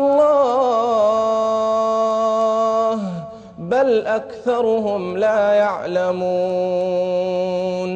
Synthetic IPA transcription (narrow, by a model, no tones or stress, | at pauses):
lˤːɑː | h | balʔakθɑɾˤʊɦʊmlaːjaʕlamuː | n